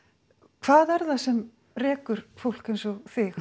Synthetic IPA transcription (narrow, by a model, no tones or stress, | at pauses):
kʰvaːðɛɾθasɛm | rɛːkʏɾ̥fowl̥kejnsɔɣθɪx